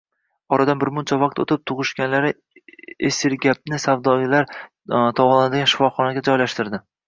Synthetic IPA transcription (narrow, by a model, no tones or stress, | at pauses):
ɒɾad̪anbɪɾmʊnt͡ʃʰavɑq̚t̪ot̪ʰɪp̚t̪ʰʊʁɨʃɡʲanlaɾɪ | esɪɾɡʲap̚nɪsavd̪ɒɡʲɪlaɾ | t̪ʰɒwɒlˠanɪd̪ɪɡʲanʃɪ̥fɒχɒnaɡʲad͡ʒɒjlaʃt̪ɪɾd̪ɪ